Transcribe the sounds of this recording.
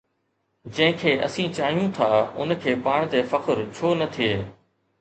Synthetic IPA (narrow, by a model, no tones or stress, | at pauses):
d͡ʑɐ̃ɦɪ̃kʰeːʔɐ̰sĩːt͡ɕaːɦijũt̪ʰaːʊ̰nkʰeːpaːɽ̃t̪eːfɐkəɾt͡ɕʰoːnɐt̪ʰieː